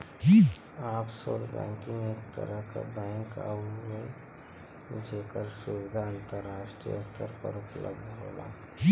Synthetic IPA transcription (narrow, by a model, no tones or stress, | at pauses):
ki | aːpsoːɾbɛ̰̃ːkĩŋeːkt̪ə̰ɾəɦka̰bɛ̃ːŋka̰umẽ | d͡ʒeːkəɾsuʋɪd̪ʱaənt̪əɾːaːʃʈɾḭjə̰st̪ʰəɾpə̰ɾʊpləɡd̪ɦo̰la̰ | i